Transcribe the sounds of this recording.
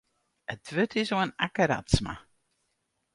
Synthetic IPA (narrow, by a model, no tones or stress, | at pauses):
ətʰʋøtʰɪsoənakəɾa̰tsma̰